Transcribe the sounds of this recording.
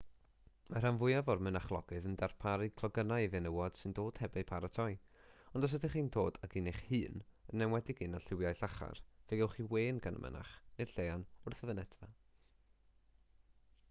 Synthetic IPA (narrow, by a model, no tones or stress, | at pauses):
mar̥anvʊɨjavɔrmənaχlˠɔ̰ɡɨðəndarpʰaɾɨkʰlˠɔɡənajvɛnəwɔd̥sɨndoːd̥hɛbɛpʰaɾatʰɔɨj | ɔndɔs̬ətɪχiːndʰoːdakineχhɨːnənːɛmwɛdɪɡɨnaɬɪwjajɬaχa̰rveɡɛwχiweːnɡanə̰mʔə̰na̰χner̥ɬejanʊrθəvənɛdva